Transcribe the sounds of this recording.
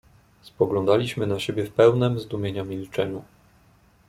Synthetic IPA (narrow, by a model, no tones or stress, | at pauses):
spɔɡlɔ̃nd̪alʲiɕmɘnaɕebʲjɛfpɛwnɛmzd̪umʲjeɲamʲilt͡ʂɛɲu